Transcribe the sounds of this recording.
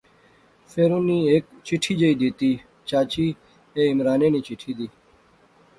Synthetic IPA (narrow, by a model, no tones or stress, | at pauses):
fʰeɾuniːeːk̚t͡ʃɪʈʰiːd͡ʒəiːd̪iːt̪iː | t͡ɕaːt͡ɕiː | eːɪmɾaːneːniːt͡ɕɪʈʰiːd̪iː